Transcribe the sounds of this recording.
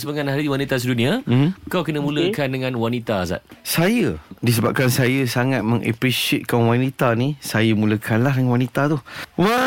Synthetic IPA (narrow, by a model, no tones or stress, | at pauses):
səbəŋãnɦaɾiwanit̪as̬dunĩakawkənə̃mũləkandəŋãnwanit̪aza̰t̪̚sajədis̬əbap̚kansajəsaŋat̪̚mə̃ŋʔa̰pɾisiet̪̚kanwanit̪anisajəmuləkʰanlaɦdəŋwanit̪at̪uwa